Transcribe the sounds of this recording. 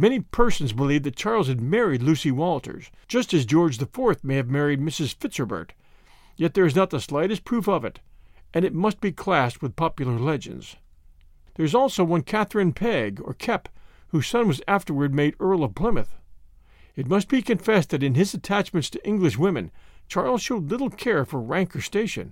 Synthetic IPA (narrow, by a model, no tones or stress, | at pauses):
mɛñipʰɜ˞sn̩zbəlivðɨt̚t͡ʃʰɑɹlˠz̥ɨd̚mɛɹidˡlʉsiwɔlˠtʰə̰˞zd͡ʒʌstɨzd͡ʒɔɹd͡ʒðɨfɔɹθmeɪɨvmɛɹid̚mɪsɨz̥fɪtsə˞bə̰˞t | jɛt̪̚ðə˞ɨznət̪̚ðəslaɪɾɨst̚pʰɹ̥ufʌvɨ̰ɾʔɨ̃nɨt̚mʌst̚b̥ikʰl̥æst̚wəð̥pʰɑpjl̩ˠə˞lɛd͡ʒɨ̰̃ndz̥ | ðə˞ɨzɔlˠsoʊwʌ̃nkʰæθɹɨ̃npʰɛɡə̰˞kʰɛphuz̥sʌ̃nwʌzæftə˞wə˞d̚meɪɾɜ˞lˠʌv̥pʰl̥ɪ̃mɨθ | ɨt̚mʌst̚b̥ikʰɨ̃ɱfɛsðɨɾɨ̃nɨzɨtʰæt͡ʃmɨ̃ntstʰɨʔɪ̃ŋɡlɨʃ̬wɪ̃mɨ̃nt͡ʃʰɑɹlˠz̥ʃoʊdˡlɪɾl̩ˠkʰɛɹfə˞ɹæ̃ŋkə˞steɪʃɨ̰̃n